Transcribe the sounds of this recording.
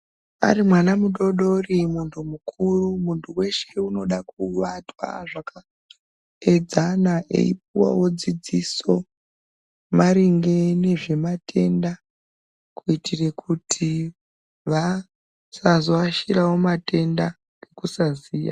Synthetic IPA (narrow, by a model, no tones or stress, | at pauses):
a̰ɾimwanamuɗo̞ɗo̞rimuntʰumukʰurumuntʰuwe̞ʃe̞uno̞ɗakuʋatwa̰ʐaka | ed͡zanaʔḛip̚uwa̰wo̞d͡zid͡ziso̞ | maɾiŋɡe̞ne̞ʐe̞matʰe̞nda | kuitʰire̞kʰutʰi | ʋa | sazoaʃiɾawo̞mate̞nda | ɡ̥e̞kusaziːja̰